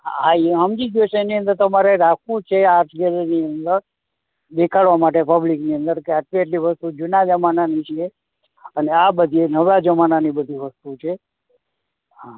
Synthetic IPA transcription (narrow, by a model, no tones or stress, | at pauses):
aiɦəmd͡ʒid͡ʒjot͡ʃʰeeniə̃nd̪əɾt̪ɔmaɾeɾakʰũt͡ʃʰeaɾʈʰɡeɾeniənd̪əɾ | b̪ekʰaɭʋamaʈ̬epəblikniə̃nd̪əɾkeaʈlieʈ̬liʋəst̪ud͡ʒunad͡ʒəmananit͡ʃʰie | əneabəd̪ʱienəʋad͡ʒəmananibəd̪ʱiʋəst̪ut͡ʃʰe | ɦa